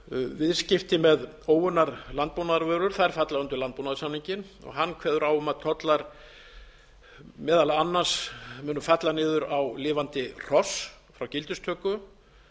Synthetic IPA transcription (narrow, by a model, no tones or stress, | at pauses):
vɪðscɪft̪ɪmɛð | oːwʏnːaɾlant̪̚puwnaðaɾvœːɾʏɾ̥θaɛɾfat̪laɣʏnt̪ʏlant̪pownaðʏsamniɲcɪn | ɔ̰ɣɦanːkʰvɛːðʏɾawʏmaðt̪ʰɔt̪laɾ̥ | mɛːðalaanːasmʏːnʏfat̪lanɪːðʏɾawlɪːvant̪ɪr̥ɔs | fɾawcɪlt̪ʏst̪ʰœːkʏ